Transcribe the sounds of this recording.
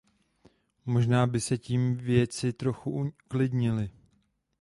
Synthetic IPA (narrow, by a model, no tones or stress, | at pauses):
mo̞ʒnaːbɪsɛciːmvjɛt͡sɪt̪ɾo̞xuʔklɪdɲɪlɪ